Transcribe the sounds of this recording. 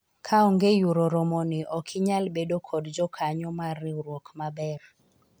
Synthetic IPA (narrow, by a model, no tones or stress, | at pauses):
kʰaɔŋɡejuɾoɾɔmɔniʔɔkʰɪɲalbedokʰɔdd͡ʒɔkʰaɲɔmaɾiɾwokmabɛr